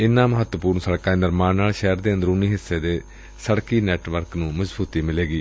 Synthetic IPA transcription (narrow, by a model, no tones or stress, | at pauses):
ɪnːãːməɦət̪wəpuːɾnsəɽkãːeːnɪɾmaːnnːaːlʃɛːəɾd̪eːənd̪əɾʊniːɦɪsːeːd̪eː | səɽkiːnɛːʈʋəɾknũːməzbuːt̪iːmɪleːɡiː